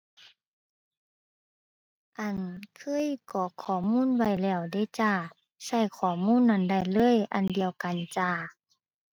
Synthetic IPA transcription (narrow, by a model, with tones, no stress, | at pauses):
ʔa˧˨nkʰɯ˧˥˨jkɔː˧˩kʰɔː˨˩muː˧˥˨nwa˧˩jlɛː˧˩wda˧˥˩t͡ɕa˧˩ | sa˧˩jkʰɔː˧˩muː˧˥˨nːa˧˩˨nda˧˩˨jlɤː˧˥˨jʔa˨ndi˨əwka˨nt͡ɕa˧˩